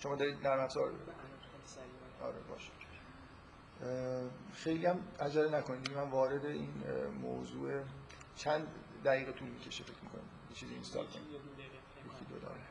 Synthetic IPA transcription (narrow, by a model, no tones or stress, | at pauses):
ʃo̞mɒːd̪ɒɾiːd̪ːæɾmæfz̥ɒɾ | ɒ̰ɾebɒ̰ːʃi̥ | xe̞jliæmæd͡ʒælenækʰo̞nid̪d̪iɡɟemænvɒːɾe̞d̪eʔiːnmo̰zuːe | t͡ʃʰænd̪ | d̪æɣiːɣet̪ʰuːlmiːcʰe̞ʃifecʰmiːkʰo̞̰nḭd̪jet͡ʃʰiːziḭnst̪ɒ̰lkʰoni | ɾuːxid̪od̪ɒ̰ɾe